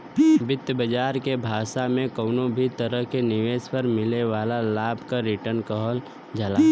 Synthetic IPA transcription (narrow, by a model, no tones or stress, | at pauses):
bɪt̪jəbəd͡ʒaːɾkebʱaːʃamẽkəʊnobʱit̪əɾəɦkenɪʋeːspəɾmɪleʋaːlalaːbʱkaɾɪʈəɾnkəɦəl | d͡ʒalaː